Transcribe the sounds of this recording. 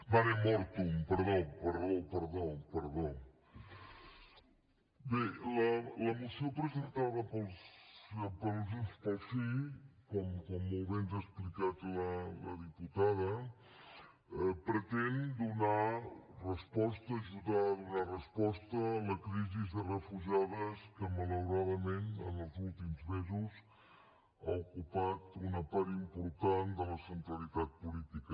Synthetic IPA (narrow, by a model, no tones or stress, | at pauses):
baɾɛmɔɾt̪umpəɾðopəɾðopəɾðopəɾðo | belələmusiopɾəzent̪aðəpəlˠs | pəlzuspəlˠsikɔmkɔmuβɛnzəsplikat̪lələðiput̪aðə | əpɾət̪ɛnd̪unarəspɔst̪əːʒuðaðunarəspɔst̪əːləkɾizizðərəfuʒaðəskəmələwɾaðəmenə̰nəlˠzulˠt̪imzmezuz | aukupat̪unəpaɾimpuɾt̪and̪ələsənt̪ɾəlit̪at̪̚pulit̪ikə